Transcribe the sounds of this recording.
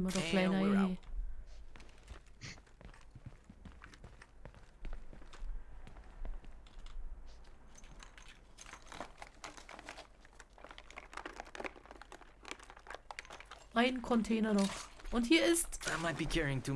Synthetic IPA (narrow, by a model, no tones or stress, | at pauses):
modɔkl̥aɪnaɪnhɛː | ʔaɪnkʰɔntʰeːnɐnɔχʔʊnthiːɐɪstamaɪt̚b̥ikʰɛɹɪ̃ŋtʰu